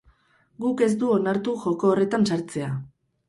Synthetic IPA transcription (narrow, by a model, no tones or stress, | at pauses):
ɡuke̞z̬d̪uo̞naɾt̪uʝo̞ko̞ːre̞t̪ansaɾt͡se̞a